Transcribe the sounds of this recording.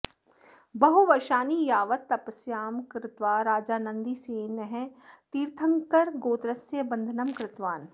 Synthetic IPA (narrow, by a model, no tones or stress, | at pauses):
bɐɦuʋɐɾʃaːnijaːʋət̪ːɐpəsjaːmkɾɪt̪ʋaːɾaːd͡ʒaːnɐ̃nd̪iseːnəɦɛ̃t̪iːɾt̪ʰə̃ŋkɐɾɡoːd̪ɾəsjəbɐ̃nd̪ʱənɐmkɾɪt̪ʋaːn